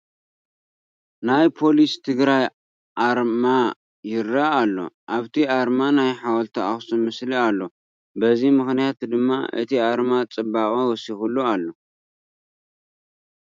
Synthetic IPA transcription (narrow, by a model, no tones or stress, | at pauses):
najpʰo̞list̪ʰɨɡɾaj | ʔaɾma | jɪɾaːlːo̞̰ʔaβt̪ʰiaɾmanajħawɔlt̪ʰɐaxsʼumɨslialːo̞ | bɐzimɨxnijat̪d̪ɨmːa̰ʔɨ̰t̪ʰiaɾmat͡sʼɨbakʼowɔsixulːualːo̞